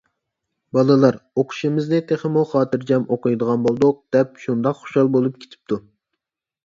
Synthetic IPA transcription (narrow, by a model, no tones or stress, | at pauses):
bɑlˠɨlˠɑɾoqʰʊ̥ʃimɪznɪt̪ʰeχɪmuχɑːt̪ɨɾd͡ʒɛmoqɨjd̪əʁɑnbolˠd̪ʊq̚d̪̥ɛp̚ʃund̪ɑqχo̥ʃɑlˠbolˠup̚kʲʰe̥t̪ʰɪ̥p̚t̪ʰu